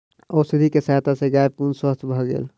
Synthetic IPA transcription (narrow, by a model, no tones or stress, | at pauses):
ɔːsid̪ʱikesaɦt̪asẽɡaepunswəst̪ʰbʱɔɡḛːl